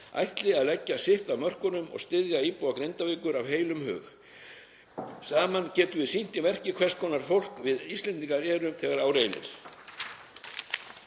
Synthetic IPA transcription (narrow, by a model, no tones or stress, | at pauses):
a̰jht̪lɪaðlɛcːasɪht̪aðmœr̥kʏnʏmɔ̰ɣst̪ɪðjaiːpuwakɾejnt̪aveːkʏɾavɦeːjlʏmɦœ̰ːx | saːmancɛːt̪ʏvɪðsin̥t̪ɪvɛr̥cɪkʰvɛ̥skʰɔːnaɾ̥fowl̥kvɪðist̪lɛnt̪iŋkaɾɛːɾʏmθɛːɣaɾaːwɾeːjnɪ̰ɾ̥